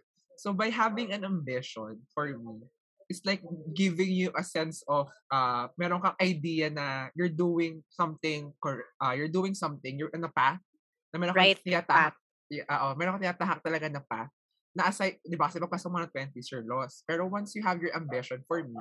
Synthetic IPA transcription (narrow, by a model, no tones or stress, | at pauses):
sobɐjɦavɪ̃ŋɐ̃nɐ̃mbɪʃɔ̃nfɔɹmi | ʔɪt̪slajk̚ɡɪvɪ̃ŋjuʔɐsɛnsɔfʔɐmɛɾoŋkɐŋʔɐjd̪ijɐnɐjʊɹd̪uːwɪ̃ŋsɐ̃mt̪ɪ̃ŋkɔɹɛʔɐjʊɹd̪uːɪŋsɐ̃mt̪ɪ̃ŋjʊɹʔɪnd̪ɐpaθ | nɐmɛːɾõat̪ɪjat̪ahk̚ | ʔoːʔomɛːɾoŋkɐt̪ɪaːt̪aɦɐk̚t̪ɐlɐɡanɐpaθ | nɐʔɐsajd̪ɪbakɐsɛmɐɡ̚paːsɐŋmɐnɐt̪̚wɛnt̪isjɔɹlɔspɛɾowɐnsjuɦavjɔɹʔɐ̃mbɪʃɔnfɔɹmi